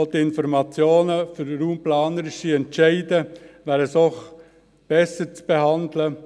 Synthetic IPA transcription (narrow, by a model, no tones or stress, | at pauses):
ltiɪnfɔɾmɑt͡sjoːnəfʏɾɾuːmplɑːnəɾɪʃiɛntt͡ʃɛɪdəʋæːɾəsɔχ | b̥ɛsət͡sb̥eɦɑndlə